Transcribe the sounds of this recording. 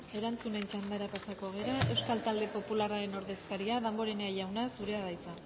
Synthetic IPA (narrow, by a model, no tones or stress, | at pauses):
e̞ɾant͡sune̞nt͡ʃand̪aɾapasako̞ɣ̞e̞ɾae̞wskalt̪ald̪e̞po̞pularaɾe̞no̞ɾðe̞skaɾiaðambo̞ɾe̞neajʝawnasuɾe̞aðajt͡sa